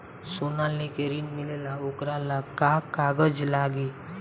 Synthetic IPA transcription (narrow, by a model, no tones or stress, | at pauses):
sonalekeɾinmɪlelaokɾalakakaːɡəd͡ʒlaːɡe